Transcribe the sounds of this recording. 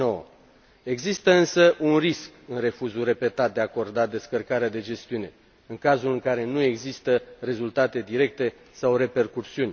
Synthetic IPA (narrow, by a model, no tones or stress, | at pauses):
ow | e̞ɡzist̪əɨnsəʔunriskɨnre̞fuzure̞pe̞t̪at̪̚d̪eako̞rd̪ad̪e̞skərkaɾead̪e̞d͡ʒe̞st̪iune̞ | ɨŋkazulɨŋkaɾe̞nue̞ɡzist̪əre̞zult̪at̪e̞d̪iɾe̞k̚t̪e̞ | sawre̞pe̞rkursiunʲ